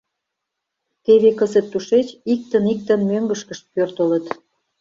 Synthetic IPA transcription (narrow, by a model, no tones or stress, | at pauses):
t̪eβekəzet̪ːuʃet͡ɕik̚t̪ənik̚t̪ənmøŋɡəʃkəʃt̪̚pørt̪ələt̪